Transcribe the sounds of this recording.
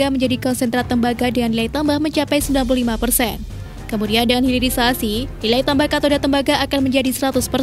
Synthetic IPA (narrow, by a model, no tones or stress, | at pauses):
aməɲd͡ʒadikɔnsɛnt̪ɾat̪əmbaɡadəŋanlilait̪ambahməɲt͡ʃapajsəmbilanp̬uluhlimapərsɛn | kəmudiandəŋanhiliɾisasililait̪ambahkat̪odat̪əmbaɡaʔːkanməɲd͡ʒadisəɾat̪ʊspər